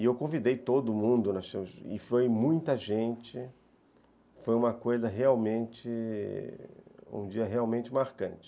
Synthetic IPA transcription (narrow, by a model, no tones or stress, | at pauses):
ɪewkõvid̪ejt̪od̪ʊmũnd̪ʊnɐʃẽɪ̰fojmũj̃t̪ɐʒẽnt͡ʃɪ | fojũmɐkojzɐɦeawmẽnt͡ʃɪ | ṵ̃d͡ʒiɐɦeawmẽnt͡ʃɪmaɾkɐ̃nt͡ʃɪ̥